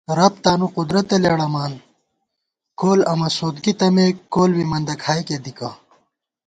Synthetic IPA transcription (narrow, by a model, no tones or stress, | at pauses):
ɾɐp̚t̪aːnuqud̪ɾɐt̪eleɽɐmaːn | koːlɐmɐsoːd̪ɡit̪ɐmekoːlwimɐnd̪ɐkʰaːjked̪ika